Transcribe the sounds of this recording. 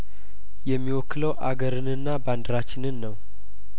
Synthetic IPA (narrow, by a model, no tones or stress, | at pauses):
jɛmːiwɔkːɨləwʔa̰ɡəɾɨnɨnːaband̪ɾat͡ʃːɪnɨnːəw